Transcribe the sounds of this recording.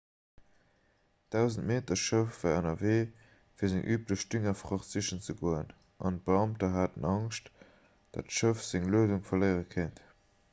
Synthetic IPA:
d̥aʊzəntmeːtɐʃəʊfvæːʁənɐveː | fiːɐzɪŋʔyːpləʃd̥yŋɐfʁɑχziʃənt͡səɡoːən | ʔɑ̰nt̚b̥əɑmtɐɦaːtənɑŋʃt | d̥ɑ̰tʃəfz̥ɪŋluəduŋfɐləɪʁəkʰənt

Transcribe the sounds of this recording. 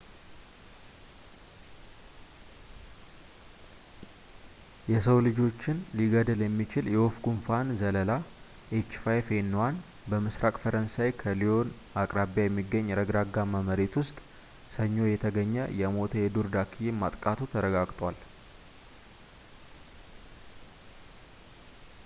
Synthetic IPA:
jɛs̬əwlɨd͡ʒo̞t͡ʃːɪnliɡəd̪əljɛmːit͡ʃɪljɛwofɡunfanzələla | ʔet͡ʃːfajfenːwan | bəmɨsɾakʼfəɾənsajkʰəlio̞n | akʼɾabjajɛmːiɡːəɲːɾəɡɾaɡːaməməɾet̪wʊst̪ʼ | səɲːo̞jɛt̪ʰəɡəɲːəjɛmo̞t̪ʰəjɛd̪uɾd̪akʰːijmat̪ʼkʼat̪ʰut̪ʰəɾəɡaɡt̪ʼwal

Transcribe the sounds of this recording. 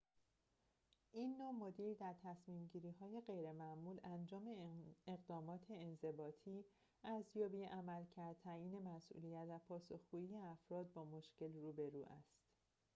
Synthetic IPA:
ʔiːnːomod̪iːɾd̪æɾt̪ʰæsmiːmɟiːɾiːɦɒːje̞ɢe̞jɾe̞mæmuːlænd͡ʒɒːme̞eɣd̪ɒːmɒːt̪ʰe̞ːnze̞bɒːt̪ʰiː | ʔæzjɒːbiːʔæmælcʰæɾd̪̚t̪ʰæɾiːne̞mæsʔṵlijæt̪væpʰɒːso̞xɡ̥uːiːjeæfɾɒːd̪̚bɒːmo̞ʃce̞lruːbe̞ɾuːʔæ̰st̪

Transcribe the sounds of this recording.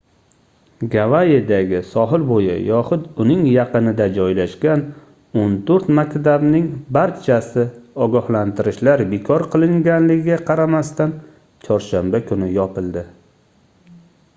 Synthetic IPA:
ɡavaed̪aɡʲɪsɒɦɪlbojɪ̰jɒχʊd̪ʊnɪŋjɑqɨnɪd̪ad͡ʒɒjlaʃkʲan | ont̪ʰoɾt̪makʲt̪abnɪŋbaɾt͡ʃʰasɪɒɡɒhlant̪ʰɪɾɪʃlaɾbekʰɒɾqʰɨlˠɪŋɡʲanlɪɡʲɪɡʲaqʰɑɾamast̪an | t͡ʃʰɒɾʃambakʰʊnɪjɒpɪlˠd̪ɪ

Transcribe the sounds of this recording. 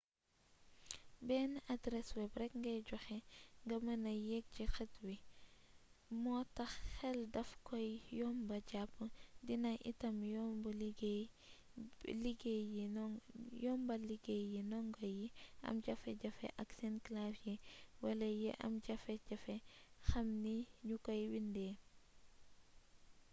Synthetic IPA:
bɛːnʔadɾɛswɛbrɛkŋɡɐjɟɔxɛŋɡɐmɐnɐjɛk̚ɟixɐtwi | mɔːtɐxxɛldɐfkɔjjɔːmbɐɟapːdinɐʔḭtɐmjɔmbulɡ | liɡɛjinjɔːmbɐliɡejinɔŋɡɐjiʔɐ̰mɟɐfɛɟɐfɛ̰ʔɐksɛnklafjiwɐlɐjɛʔɐ̰mɟɐfɛɟɐfɛxɐmniɲukɔjwindɛ

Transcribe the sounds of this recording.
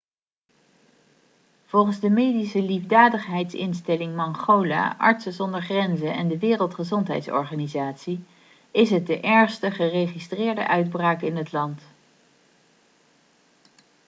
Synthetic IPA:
v̥ɔlˠχənzdəmejdisəlivdaːdəχɦɛjtsɪ̰nstɛlɪŋmɑŋχowla̰ːʔɑ̰ɹtsəzɔndəɹχrɛnzənɛndəʋɪːrəlˠtχəzɔntɦɛ̰jtsɔ̰ɹχaːnizaːtsi | ɪsɦət̚dəʔɛɹχstəχərejχistrɪːɹdə̰ʔœɥd̚braːkɪnɦətlɑnt

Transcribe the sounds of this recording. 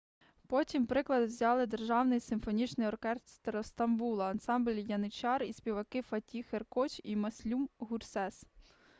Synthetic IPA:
pɔtʲimpɾɪklˠɐd̪ɪwzʲɑlˠɪd̪erʒɑwnɪjsɪmfɔnʲit͡ʃnɪjɔrkɛst̪t̪ɾɔst̪ɐmbulˠɐːnsɑmblʲjɐnɪt͡ʃɑrisʲpʲiʋɐkɪfɐtʲixerkɔt͡ʃimɐsʲlʲumɦursɛs

